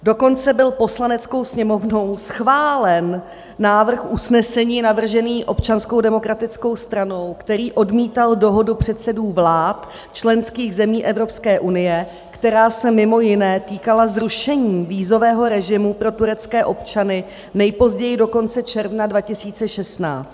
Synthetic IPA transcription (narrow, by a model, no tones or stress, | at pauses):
do̞ko̞nt͡sɛbɪlposlanɛt͡sko̞wsɲɛmo̞vno̞wsxvaːlɛnː | aːvr̩xʔusnɛsɛɲiːnavr̩ʒɛniːʔo̞pt͡ʃanskowdɛmo̞kɾat̪ɪt͡sko̞wst̪ɾano̞wkt̪ɛɾiːʔo̞dmiːt̪aldo̞ɦo̞dupr̝̥ɛt̪sɛduːvlaːt̪ | t͡ʃlɛnskiːɣzɛmiːʔɛvɾo̞pskɛːʔunɪjɛ | kt̪ɛɾaːsɛmɪmo̞jɪnɛːt̪iːkalazɾuʃɛɲiːviːzo̞vɛːɦo̞ɾɛʒɪmupɾo̞t̪uɾɛt͡skɛːʔo̞pt͡ʃanɪ | nɛjpo̞zɟɛjɪdo̞ko̞nt͡sɛt͡ʃɛɾvnadvacɪsiːt͡sɛʃɛst̪na̰ːt͡st̪